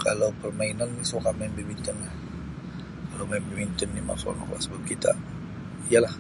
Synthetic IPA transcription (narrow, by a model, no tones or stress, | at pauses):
kalawpərmainalnisokamɛmbimint̪ənlah | kalawmambimint̪ənːima̰sa̰nɔ̰kla̰səbap̚kit̪a̰ | ijalah